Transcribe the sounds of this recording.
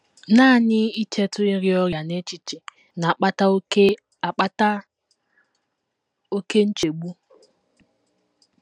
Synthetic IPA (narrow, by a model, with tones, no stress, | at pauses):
naː˦˨nɪ˦i˦t͡ʃe˦tʊ˦i˦ɾjɔ˦ɾja˨ne˦t͡ʃi˨t͡ʃɪ˨ | na˨k͡pa˦t | k͡pa˦ta˦ | o˦ke˦n̩˦t͡ʃe˨ɡ͡bu˦